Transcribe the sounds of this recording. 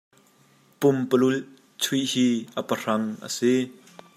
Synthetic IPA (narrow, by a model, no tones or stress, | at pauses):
pʊmpəlul | t͡sʰiʔhiːʔəpər̥ɐŋʔə̰si